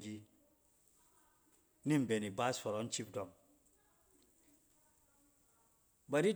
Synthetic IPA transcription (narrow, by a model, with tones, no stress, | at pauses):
d͡ʒi˦ | ni˦m̩˨be˨ni˨ba˦sfɔ˨ɾɔ˨n̩˦t͡ʃi˦pdɔ˨m | ba˨ɾi˦